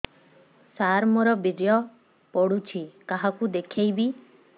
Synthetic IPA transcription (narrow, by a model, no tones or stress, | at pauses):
saɾmoɾɔbiɖejɔ | pɔɽut͡ʃʰikaɦakud̪ekʰejbi